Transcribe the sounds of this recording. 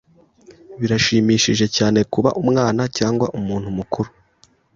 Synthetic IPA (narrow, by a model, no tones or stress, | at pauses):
βiɾaʃiːmiːʃiʒe̞caːne̞kuβa̰ʔumŋaːnacaːŋɡwaʔumuːn̥humukuɾu